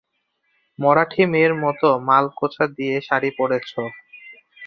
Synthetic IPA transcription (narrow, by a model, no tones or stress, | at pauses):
mɔɾaʈʰimeɾmɔt̪omalkot͡ɕʰad̪ijeʃaɾipoɽet͡ɕʰo